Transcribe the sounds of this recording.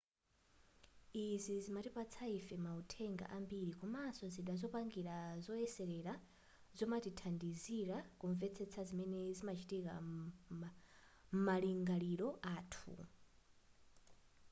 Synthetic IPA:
izizimatipat͡sʰaifɛmautʰɛŋɡa̰ʔambiɾikɔmasɔziɗazɔpaŋɡiɾazɔɛsɛɾɛɾa | zɔmatitʰandiziɾakuɱvɛt͡sʰɛt͡sʰazimɛnɛzimat͡ʃʰitika̰ | maliŋɡaliɾɔʔaːtʰṵ

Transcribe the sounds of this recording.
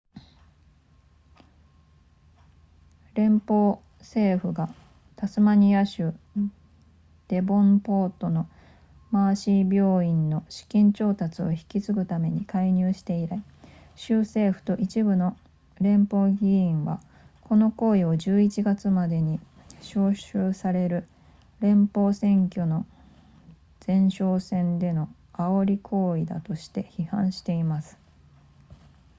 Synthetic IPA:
ɾẽ̞mpo̞ː | se̞ːɸɯ̟ɡa | t̪asɨmaɲ̟iaɕɨ | d̪̥e̞bõ̞mpo̞ːt̪o̞no̞ | maːɕibʲjo̞ːĩnːo̞ɕi̥kʲĩɲ̟t͡ɕo̞ːt̪at͡sɨo̞çi̥kʲit͡sɨɡɯ̟t̪ame̞ɲ̟ikaiɲ̟ɨːɕi̥t̪e̞iɾai | ɕɨːse̞ːɸɯ̟̥t̪o̞ʔit͡ɕibɯ̟no̞ | ɾẽ̞mpo̞ːɡʲiĩɰ̃βa̰ | ko̞no̞ko̞ːio̞ʑɨːit͡ɕiɡat͡sɨmad̪e̞ɲ̟i | ɕo̞ːɕɨːsaɾe̞ɾɯ̟ | ɾẽ̞mpo̞ːsẽ̞ŋkʲo̞no̞ | d͡z̥ẽ̞ɰ̃ɕo̞ːsẽ̞nd̪e̞no̞ | aoɾʲikʰo̞ːid̪a̰t̪o̞ɕi̥t̪e̞çihã̰ɰ̃ɕi̥t̪e̞imasɨ̥

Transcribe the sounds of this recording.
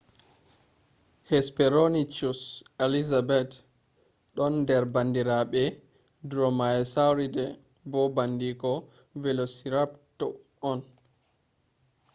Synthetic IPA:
hɛspɛɾonit͡ʃuselizabɛt | ɗɔnːdɛɾbandiɾaɓɛ | dɾɔmaɛsawɾidɛ | bɔbandikɔ | vɛlosiɾaptɔ | ɔn

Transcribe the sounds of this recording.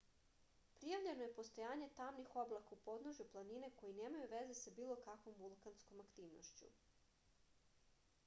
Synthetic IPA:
pɾijaʋʎe̞nojepo̞st̪o̞jaːɲe̞t̪amnixo̞blˠakaupo̞d̪noʒuplˠanine̞ko̞jine̞ːmajuʋe̞ze̞sabiːlˠo̞kakʋo̞mvulˠkansko̞makt̪iːʋno̰ʃt͡ɕṵ

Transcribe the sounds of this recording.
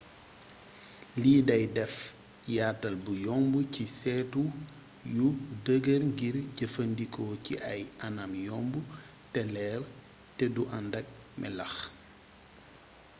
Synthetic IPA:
liːdɐjdɛf | jaːtːɐlbujɔmbucisɛːtu | judəɡərŋɡirɟəfəndikʰɔːciʔɐjɐnɐmjɔmbu | tɛlɛːr | tɛduʔɐndɐk̚ | mʔɛ̰lɐx

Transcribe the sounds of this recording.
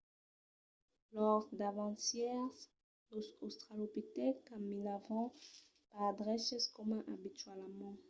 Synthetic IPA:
lɔʁd̪avɑ̃t̪jɛʁ | loost̪χalopit̪ɛkamilavɑ̃ | pad̪ʁɛʃɛskɔmɛ̃ʔabit̪ɥalmɑ̃

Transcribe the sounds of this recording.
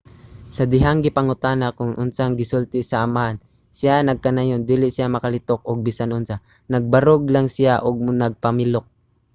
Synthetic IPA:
sɐd̪ɪɦaŋɡɪpɐŋʊt̪anakʊŋʔʊnsaŋɡɪsʊlt̪ɪsɐʔɐmaʔan | sɪjanɐɡ̚kɐnajond̪iːlɪʔsɪjamɐkɐlɪt̪ok̚oɡ̚bɪsanʊnsa | nɐɡ̚bɐɾoɡlaŋsɪjaʔoɡ̚nɐɡ̚pɐmɪlok̚

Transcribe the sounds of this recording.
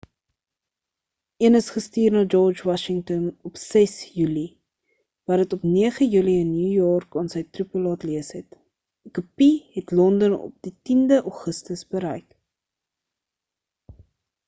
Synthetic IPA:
ʔiənəsχəstiːrnɑːd͡ʒɔrd͡ʒwɑʃəŋtɔnɔpsɛsjyli | vɑːɾdətɔpniəχəjyliənːjuːjɔːrkɑːnsəjtrupəlɑːtliəsɦɛt | kupiɦɛtlɔndənɔ̰p̚ditindəʔɑχəstəsbəɾəjk

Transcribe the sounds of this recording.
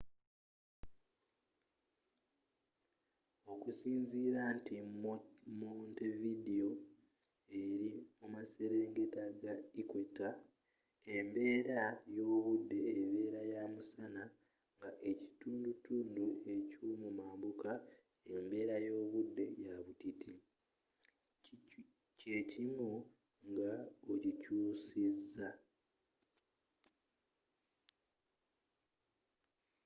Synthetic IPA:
o̞kusiːnziːɾaːnti | montevidio | e̞ɾiomase̞ɾe̞ːŋɡetaɡaikwetːa | e̞mbe̞ːɾajo̞ːβudːe̞ːβe̞ːɾajamusana | ŋɡaʔe̞ci̥tuːndutuːndue̞cumumaːmbuka | e̞mbe̞ːɾajo̞ːβudːe̞jaβutitʰi | cecimu | ŋɡaocicuːsizːa

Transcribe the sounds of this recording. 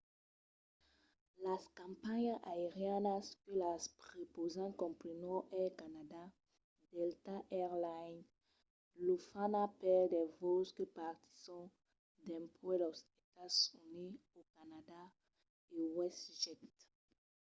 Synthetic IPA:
laskãmpaɲaʔaeʁjanaskelaspʁepozãkɔ̃mpɾinɔʔɛkanada | dɛlt̪aʔɛʁlan | lufanapɛldɛvoskəpaʁt̪i̥sɔ̃ | d̪ɛ̃mpwɛlɔset̪asyniokanada | ewɛstʒɛt̪

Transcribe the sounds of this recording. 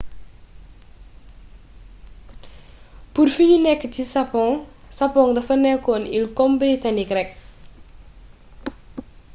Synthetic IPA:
purfiɲunɛkːətisɐpɔŋ | sɐpɔŋdɐfɐnɛkːɔnilkɔmbɾitanikɾɛk̚

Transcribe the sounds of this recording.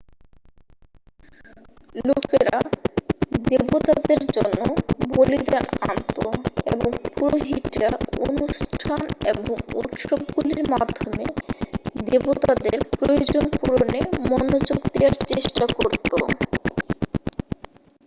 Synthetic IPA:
lokeɾa | d̪ebot̪ad̪eɾd͡ʑonːobolid̪ana̰nt̪oḛboŋpuɾoɦiʈao̰nuʃʈʰaneboŋṵt̪ʃob̚ɡuliɾmad̪ʱːome | d̪ebot̪ad̪eɾpɾojod͡ʑonpuɾonemɔnod͡ʑoɡd̪eaɾt͡ɕeʃʈakoɾt̪o

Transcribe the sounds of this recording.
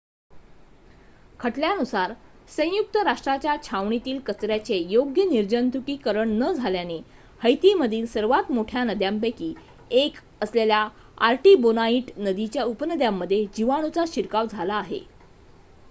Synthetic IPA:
kʰəʈljanusaɾ | sə̃juk̚t̪əɾaʂʈɾat͡ɕjat͡ɕʰaʋɳit̪iːlkət͡sɾjat͡sejoɡjəniɾd͡ʑənt̪ukiːkəɾəɳnəd͡zʱaljane | həjt̪iməd̪ʱiːlsəɾʋat̪moʈʰjanəd̪jampekiː | ek | əslelja | aɾʈibonaiʈnəd̪it͡ɕjaupənəd̪jamːəd̪ʱːjed͡ʑiʋaɽ̃ut͡saɕiɾkaʋd͡zʱalaːɦḛ

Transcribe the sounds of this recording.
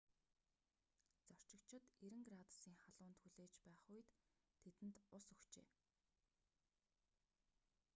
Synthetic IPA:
t͡sɔr̥t͡ɕɪ̆kt͡ɕʰɪ̆t̪eɾɘ̆ŋɡrat̪siːŋχaɮʊːnt̪xuɮeːt͡ɕpæːχʊjt̪ʰːet̪ɘ̆nt̪ʊsɵxt͡ɕḛː

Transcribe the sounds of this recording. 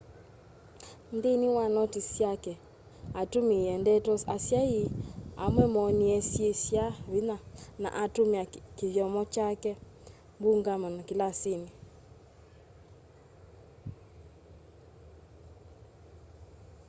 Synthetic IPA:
ndeniwanɔtisjakɛ | atumiɛndɛtɔasjaia̰mwɛmɔniɛsjesjaβinana̰ʔatomeakeβjɔmɔt͡ʃakɛ | mbuŋɡamanɔkilaseni

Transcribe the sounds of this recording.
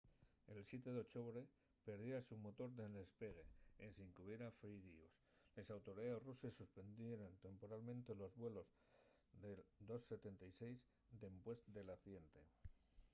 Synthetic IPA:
e̞lsje̞t̪e̞ðot͡ʃoβɾe̞ | pe̞ɾðjeɾasumo̞t̪o̞ɾðelespe̞ɣeesiŋkuβje̞ɾafɾiɾioslesawt̪o̞ɾiðaðesrusesːuspe̞nd̪je̞ɾont̪e̞mpo̞ɾalmẽnt̪e̞lo̞zβwe̞lo̞z | ðeld̪o̞sːe̞t̪e̞nt̪ajse̞jz | d̪e̞mpwe̞st̪d̪e̞laθje̞nt̪e

